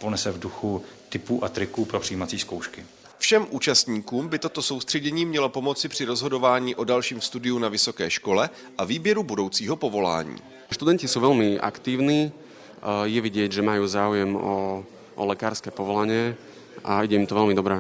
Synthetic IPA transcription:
ponɛsɛvduxut̪ɪpuːʔat̪ɾɪkuːpɾopr̥ijiːmat͡siːskowʃkɪ | fʃɛmʔuːt͡ʃast̪ɲiːkuːmbɪt̪o̞t̪oso̞wst̪r̝̥ɛɟɛɲiːmɲɛlo̞po̞mo̞t͡sɪpr̝̥ɪɾozɦo̞do̞vaːɲiːʔo̞dalʃiːmfst̪udɪjunavɪso̞kɛːʃko̞lɛ | ʔaviːbjɛɾubudo̞wt͡siːɦopo̞vo̞la̰ːɲḭː | ʃt̪ud̪ɛncisuːʋɛlmiʔa̰kt̪iːʊniː | jɛviɟɪɛɟʒɛmajuːzaːujɛmɔ | ʔɔlɛkaːɾskɛːpɔʋɔlaɲɪɛ | ʔaiɟɛimt̪ɔʋɛlmɪd̪ɔbɾɛ

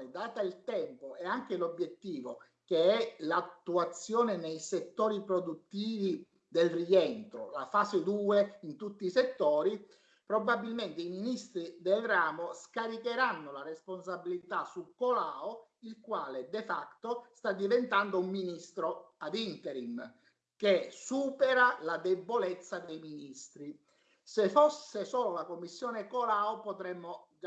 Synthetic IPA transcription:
ed̪aːt̪ailt̪ɛmpoɛaŋk̟elobjet̪ːiːvo | keɛlat̪ːuat̪sːjɔːnenejset̪ːɔːɾipɾod̪ut̪ːiːvi | d̪elriɛnt̪ɾo̰la̰faːsed̪uːeint̪ut̪ːiːset̪ːɔːɾi | pɾobabːilment̪eiminist̪ɾid̪elraːmoskaɾikeɾanːolarɛspons̬abilit̪asukolaːo | ilkwaːled̪ɛfakt̪ost̪ad̪ːivɛnt̪and̪oumːinist̪ɾoad̪int̪ɛɾim | kesuːpɛɾalad̪ebːolɛt̪sːad̪ejminist̪ɾi | sefɔsːesɔːlolakomːisːjɔːnekolaːopɔt̪ɾɛmːo

